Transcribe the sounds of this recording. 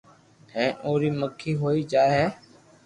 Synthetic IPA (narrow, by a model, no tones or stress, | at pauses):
hẽːʔoːɾiːməkʰːiːɦoːiːd͡ʒaːeːɦɛː